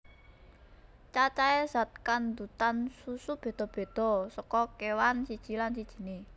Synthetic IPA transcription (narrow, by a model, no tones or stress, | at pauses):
t͡ʃat͡ʃaɛz̥a̤t̪̚kand̪ut̪ansusub̥e̤d̪̥ɔ̤b̥e̤d̪̥ɔ̤sɔkɔkewansid̥ʒ̥i̤lansid̥ʒ̥i̤ne